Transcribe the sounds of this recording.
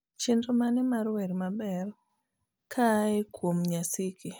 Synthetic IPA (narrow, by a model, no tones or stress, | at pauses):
t͡ʃɪndomanɛmarwɛɾmabɛr | kʰaekwomɲasɪkʰi